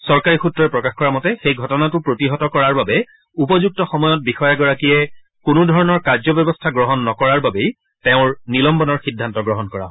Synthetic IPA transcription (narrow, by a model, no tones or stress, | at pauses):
sɔɹkaɹixutɹɔɹɛpɹɔkaxkɔɹamɔtɛxejɡʱɔtɔnatʊpɹotiɦɔtɔkɔɹaɹbabɛ | upɔzuk̚tɔxɔmɔjɔt̚bixɔjaɡɔɹakijɛ | kunʊdʱɔɹɔnɔɹkaɹzɔbjɔbɔstʰaɡɹɔɦɔnːɔkɔɹaɹbabej | teʊ̃ɹnilɔmbɔnɔɹxidʱːantɔɡɹɔɦɔnkɔɹã̰